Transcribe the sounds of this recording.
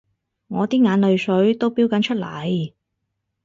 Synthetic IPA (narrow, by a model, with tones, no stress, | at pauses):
ŋɔː˨˧t̪iː˥ŋaː˨˧nlɵ˨˧ɥsɵ˨˥ɥt̪o˥wpiː˥wkɐ˨˥nt͡ʃʰɵ˥t̚lɐ̰˨˩j